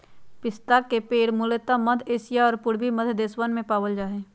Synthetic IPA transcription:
pɪst̪aːkːepeːɽmʊleːt̪aməd̪ʰʱeːsɪjaɔːɾpʊɽbiməd̪ʰʱd̪eːswənmẽpaːʋəld͡ʒaːɦeː

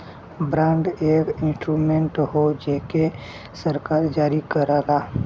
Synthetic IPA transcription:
bɾãːɳɖekɪ̃nsʈɾumẽɳʈɦod͡ʒeke | səɾkaːɾd͡ʒaːɾikəɾaːɡaː

